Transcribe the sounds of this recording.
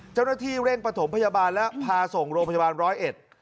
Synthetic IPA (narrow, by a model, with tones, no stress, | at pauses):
t͡ɕaː˥˩wna˥˩t̪ʰiː˥˩ɾe˥˩ŋpɾa˧t̪ʰo˩˦mpʰa˧jaː˧baː˧nlɛ˦˥pʰaː˧so˨˩ŋɾoː˧mpʰa˧jaː˧baː˧nɾɔː˦˥jʔe˨˩t̪̚